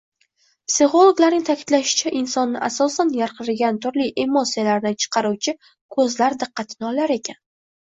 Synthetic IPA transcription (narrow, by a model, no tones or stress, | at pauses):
psɪχo̞lˠoɡlaɾnɪŋt̪ʰakʲʰɪ̥t̪laʃɪ̥t͡ʃʰaʔɪnsɒnːɪʔasɒsanjaɾqɨɾɪɡʲant̪ʰʊɾlijʔe̞mosijalaɾd̪ɪt͡ʃʰɨ̥qʰɑɾuwt͡ʃʰɪ | kʰɵzlaɾd̪ɨqʰːɑt̪ʰɪnɪɒlaɾe̞kʲʰan